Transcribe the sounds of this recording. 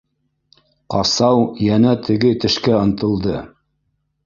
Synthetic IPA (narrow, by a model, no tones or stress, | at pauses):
qɑsɑwjænæt̪ʰɘ̆ɡɘt̪ɘ̆ʃkæɤ̆nt̪ɤ̆lˠd̪ɤ